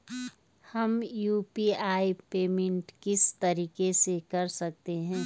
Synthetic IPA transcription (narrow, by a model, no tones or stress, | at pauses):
hɐmjuːpiːaːipeːmẽɳʈkɪst̪ɐɾiːkesekɐɾsɐk̚t̪eɦɛ̃ː